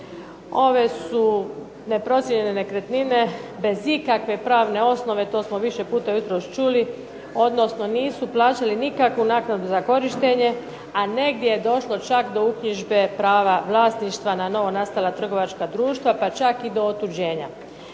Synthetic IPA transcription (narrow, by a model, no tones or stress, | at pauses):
o̞ʋe̞su | ne̞pɾo̞t̪sjeʎe̞ne̞ne̞kɾet̪nine̞be̞zikakʋe̞pɾaːʋne̞o̞sno̞ʋe̞t̪o̞ːsmo̞ʋiʃe̞puːt̪ajut̪ɾo̞ʃt͡ʃuli | o̞d̪no̞sno̞niːsuplˠaːt͡ʃalinikakʋunaːknad̪uzako̞ɾiʃt̪e̞ɲe̞ | ane̞ɡd̪je̞jed̪o̞ʃlo̞t͡ʃakd̪o̞ukɲiʒbe̞pɾaːʋaʋlˠaːsniʃt̪ʋanano̞ʋo̞nast̪alˠat̪r̩ɡo̞ʋat͡ʃkad̪ɾuːʃt̪ʋapat͡ʃakid̪o̞ot̪ud͡ʑe̞ːɲa